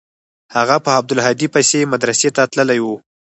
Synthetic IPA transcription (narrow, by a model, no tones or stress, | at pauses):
haɣapəab̚d̪ʊlɦɑd̪ipajsemad̪ɾaset̪at̪ləlajwu